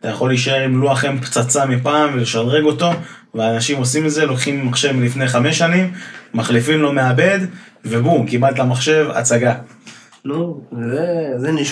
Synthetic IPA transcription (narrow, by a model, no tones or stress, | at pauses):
at̪ajaχo̞lːiʃae̞ʁimluaχe̞mpt͡sat͡samipaːmveleʃalʁe̞ɡo̞t̪o̞ | veaːnaʃimo̞simetzelo̞kχimːaχʃe̞vlifne̞jχame̞ʃanimːaχlifimlo̞me̞abe̞d̪ | vebukimat̪lamaχʃe̞va̰t͡saɡa | nuzezeniʃ